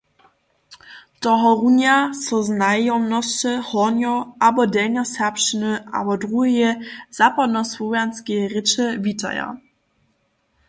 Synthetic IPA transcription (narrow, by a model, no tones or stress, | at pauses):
tɔɦɔʁunjasɔznajɔnɔst͡ʃɛhɔnjɔʔabɔdɛɲɔsɛpʃənəʔa̰bɔdʁuɦjɛz̥apadnɔswɔvjanskʲɛʁɪt͡ʃɛvʲita̰ja̰